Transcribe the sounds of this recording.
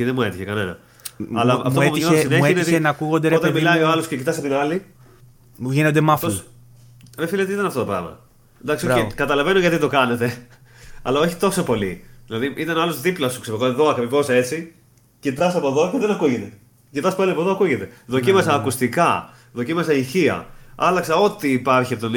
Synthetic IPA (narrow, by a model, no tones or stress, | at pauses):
iðemue̞t̪içekɐne̞nɐ̰ | ɐlɐ̰foouɲosineçiint̪inɐkuɣond̪eɾot̪ɐɐmilɐioɐloscecit̪ɐs̬ɐp̚t̪inɐli | ʝinond̪emɐfos | efilɐet̪eit̪ɐnɐft̪ot̪opɾɐ̰vmɐ̰ | d̪ɐksioekɐt̪ɐlɐve̞noʝɐt̪it̪o̞kɐne̞t̪e̞ | ɐlɐo̞çi̥t̪o̞sopo̞lḭðilɐðiʔit̪ɐnɐlozðiplɐsu̥kseiɣoeðo̞ɐkepivose̞t͡si | cit̪ɐsɐpo̞ðo̞ceðenɐkuʝet̪e | cit̪ɐsɐpɐliɐpoðoɐkuʝet̪e̞ðo̞cimɐsɐːkust̪ikɐ | ðo̞cimɐsɐiçiɐ̰ɐlɐksɐo̞t̪iːpɐɾçiɐpot̪on